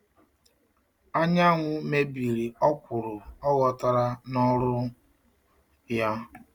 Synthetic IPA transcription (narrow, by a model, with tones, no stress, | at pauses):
a˦ɲa˦ŋʷʊ˨me˦bi˨ɾi˨ɔ˦kʷʊ˨ɾʊ˨ɔ˦ɣɔ˨ta˨ɾa˦nɔ˦ɾʊ˦ | ja˦